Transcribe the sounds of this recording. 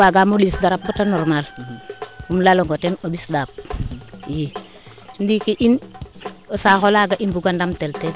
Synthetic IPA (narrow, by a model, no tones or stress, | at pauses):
aɡamolisdaɾap̚batanɔɾmal | umlaloŋɡotenobisdap̚ | je | ndikiʔin | osaxolaɡaʔinbuɡandamtelte